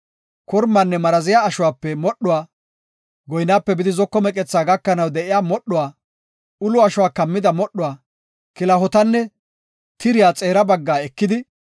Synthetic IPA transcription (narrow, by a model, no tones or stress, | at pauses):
kɔɾmːanːɛmɐɾɐzɪjaːʃʊwaːpːɛmɔɗːʊwaː | ɡɔjnaːpːɛbɪd̪ɪzɔkːɔmɛkʼɛt͡sːaːɡɐkːɐnɐwd̪ɛʔɪjaːmɔɗːʊwaː | ʊlʊɐʃʊwaːkɐmːɪd̪ɐmɔɗːʊwaː | kɪlɐɦɔt̪ɐnːɛ | t̪ɪɾɪjaːt͡sʼe̞ːɾɐbɐɡːaːɛkːɪd̪ɪ